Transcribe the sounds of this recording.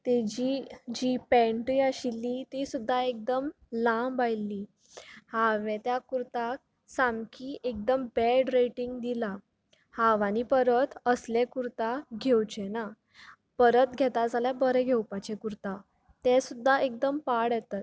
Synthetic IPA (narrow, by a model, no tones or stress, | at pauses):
t̪ed͡ʑid͡ʑipɛ̃ɳʈɾiaɕilːit̪isud̪ʱːaek̚d̪əm | lãbajlːi | haʋẽt̪jakuɾt̪ak̚ | samkiːʔek̚d̪əmbɛɖɾeʈiŋɡd̪ila | haʋañipəɾət̪əslekuɾt̪aɡʱewt͡ɕena | pəɾət̪ɡʱɛt̪ad͡zʱaljabəɾeɡʱewpat͡ɕekuɾt̪a | t̪esud̪ʱːaek̚d̪əmpaɽjɛt̪at̪̚